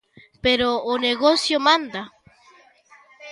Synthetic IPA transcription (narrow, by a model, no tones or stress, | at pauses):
peɾoːneɣosjomãnd̪a